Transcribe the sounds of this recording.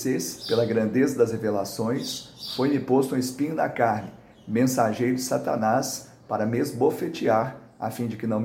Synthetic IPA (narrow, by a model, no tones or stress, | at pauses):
sespelɐɡɾɐ̃nd̪ezɐd̪ɐzhevelasõj̃sfojmɪpost̪ʊũɪspĩɲʊnɐ̰kaɾnɪ | mẽsaʒejɾʊd͡ʒɪsat̪a̰nas | paɾɐmezbofet͡ʃiaɾ | a̰fĩd͡ʒɪkɪnɐ̃w̃m